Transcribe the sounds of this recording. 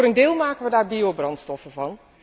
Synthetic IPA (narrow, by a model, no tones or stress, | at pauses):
rəndɪːlˠmaːkənʋədaːɹbiobrɑntstɔfəvɑn